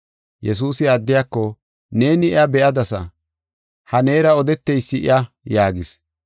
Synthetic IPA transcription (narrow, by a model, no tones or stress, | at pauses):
jɛs̬uːsɪaːd̪ːɪjaːkːɔ | ne̞ːnɪɪabɛʔɐd̪ɐsɐ | hɐne̞ːɾɐɔd̪ɛt̪ːɛjsːɪʔɪ̰ɐ | jaːɡɪs